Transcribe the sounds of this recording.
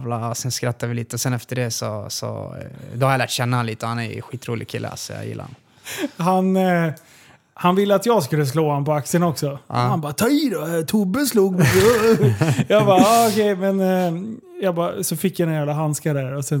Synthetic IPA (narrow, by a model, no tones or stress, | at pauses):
vlaɔsɛnskɾat̪ːavɪliːt̪əɔsɛnɛft̪əɖɛsɔ̰sɔ̰d̪ɔhaɾjalæːʈɕɛnːaliːt̪əɔhanɛ̰jɾɧiːt̪ɾṵːlɪ̰ɡ̚kʰɪlːʔə̰a̰sɔjɑ̰ːjɪ̰lːa̰a̰n | ɦan | hanvɪlːəat̪jɑːɡskɵlːəs̬loːhanpɔak̚tsɪənɔksɔhanbɑːt̪ʰɑːid̪ɔæɾt̪ʰubəsluːɡmɛɡɔ | jɑbɑːɑɔkʰɛjmɛn | jɑːɡbɑsɔfɪkːjajæːvlaɦanskad̪æɾɔsɛn